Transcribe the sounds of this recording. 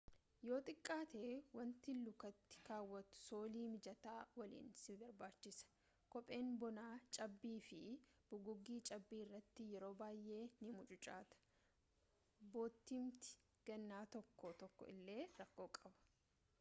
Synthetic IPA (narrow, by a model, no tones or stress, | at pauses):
jo̞ːt̪ʼɪkʼːaːt̪eːwɐnt̪ɪlːʊkɐt̪ːɪ̥kaːwːɐt̪ʊ̥soːliːmɪd͡ʒɐt̪aːwɐlḭːnsɪbɐɾbaːt͡ʃːɪsɐ̥ | kɔpʼe̞ːnbɔnaːt͡ʃʼɐbːiːfɪb̥ʊɡʊɡːiːt͡ʃʼɐbːiːɪrːɐt̪ːɪjɛɾo̞ːbaːjʔe̞ːnɪmʊt͡ʃʼʊt͡ʃʼaːt̪ɐ̥ | bo̞ːt̪ːimt̪ɪ̥ | ɡ̥ɐnːaːt̪ɔkːɔt̪ɔkːɔ̰ʔɪ̰lːe̞ːɾɐkːo̞ːkʼɐbɐ̥